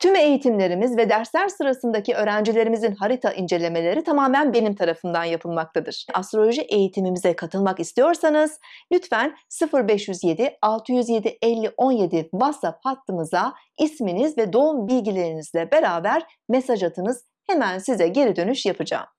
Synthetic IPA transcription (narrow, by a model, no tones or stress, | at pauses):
t̪ʰyme̞jit̪ʰimlʲe̞ɾimizvɛd̪æɾslæɾsɯɾasɯnd̪aciø̞ːɾænd͡ʒilʲe̞ɾimizinɦaɾit̪ʰaʔind͡ʒe̞lʲe̞me̞lʲe̞ɾit̪ʰamaːmænbe̞nimt̪ʰaɾafɯnd̪anjapʰɯlˠmakt̪ʰad̪ɯɾ̥ʔast̪ɾo̞lʲo̞ʒiʔe̞jit̪ʰimimizɛkʰat̪ʰɯlˠmakist̪ʰijo̞ɾsanɯz̥lʲyt̪fænsɯfɯɾbɛʃjyzje̞d̪ialˠt̪ʰɯjyzje̞d̪iʔɛlʲːiʔo̞nje̞d̪ibasaphat̪ʰːɯmɯza | isminizvɛd̪o̞umbilʲɟilʲe̞ɾinizlʲɛbe̞ɾaːbæɾ | me̞saʒat̪ʰɯnɯz̥ | he̞mænsizɛɟe̞ɾid̪ø̞nyʃjapʰɯd͡ʒa̰ːm